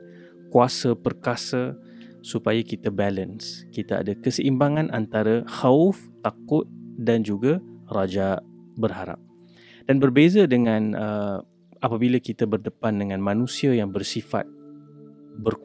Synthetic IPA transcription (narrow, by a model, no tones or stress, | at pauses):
kuasapərkasa | supajakit̪abalənskit̪aa̰dakəsəʔimbaŋãnʔa̰nt̪aɾaxaʊf | t̪akʊt̪̚dand͡ʒuɡarad͡ʒaʔbərɦaɾa̰p̚ | d̥anbərbezadəŋãnə | apabilakit̪abərdəpandəŋãnmãnũsiajaŋbərsifa̰t̪̚ | bərk